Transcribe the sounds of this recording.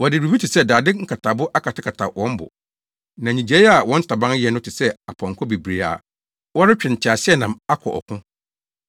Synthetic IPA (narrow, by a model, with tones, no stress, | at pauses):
wɔ˨dɪ˨ɾi˨bi˦tʰɪ˨sɛ˦˨daː˨dɪ˦ŋ̩˦kʰa˨tʰa˨bʊ˦ʔa˦kʰa˨tʰɪ˦kʰa˨tʰa˨wɔ̃˦m˦bʊ̰˨ | nã˨ɲĩ˨d͡ʑe˨˦a˨wɔ̃˦n̩ʰ˦ɪ̥˦tʰa˨bã˦ŋ˦ɛ˨nʊ̃˦tʰɪ˨sɛ˦a˨pʰɔ̃˨ŋ˨kʰɔ˦be˨bɾe˨a̰˨ | wɔ˦ɾɪ˦t͡ɕᶣɪ̃˨n˨t͡ɕʰa˨sɪ˦ɛ˦˨nã˨ma˦kʰɔ̰˨ʔɔ̰˨kʰʊ̃˦